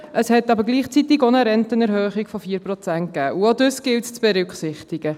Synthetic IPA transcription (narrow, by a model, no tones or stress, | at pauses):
ʔəshɛtːɑbəɾɡliːχt͡sit̪ɪɡonəɾɛntənɛɾhøːχɪkfɔfiːɾpɾɔt͡sænt̚kæːʔuod̪øsɡ̥ɪltt͡sb̥ɛɾʏkχsɪχtɪɡ̥ə